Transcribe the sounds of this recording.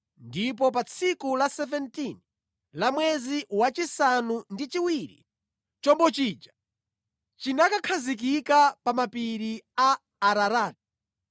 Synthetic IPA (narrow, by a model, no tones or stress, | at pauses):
ndip̬ɔp̬at͡sʰikulasɛvɛntin | lamwɛziwat͡ʃisanundit͡ʃiwiɾḭ | t͡ʃɔmbɔt͡ʃiːd͡ʒa | t͡ʃinakakʰazik̬ikapamapiɾiaː | ɾaɾaːtḁ